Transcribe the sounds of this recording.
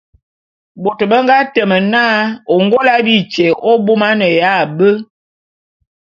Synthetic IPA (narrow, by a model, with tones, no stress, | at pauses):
bo˨tə˨bə˦ŋɡa˦tə˨mə˨na˦o˨ŋɡo˦la˦bi˦t͡ʃe˨ʔo˦bu˦ma˦nə˨ja˦˨bə˦